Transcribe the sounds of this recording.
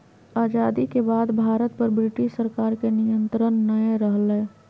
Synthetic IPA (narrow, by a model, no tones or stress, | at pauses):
aːd͡ʒaːd̪ikebaːd̪bʱaːɾət̪̚pəɾbɾɪʈɪʃsəɾkaːɾkenɪjə̃nt̪ɾənːəeɾəɦle